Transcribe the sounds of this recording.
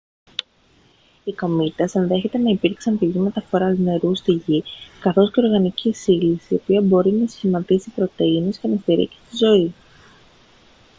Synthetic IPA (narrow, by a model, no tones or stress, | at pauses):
iko̞mit̪ɐsenðe̞çe̞t̪e̞nɐipiɾksɐnpiʝime̞t̪ɐfo̞ɾɐzne̞ɾust̪iʝikɐθo̞sce̞o̞ɾɣɐnicisilisio̞piɐbo̞ɾinɐsçimɐt̪isipɾo̞t̪e̞ine̞scenɐst̪iɾḭki̥st̪izo̞i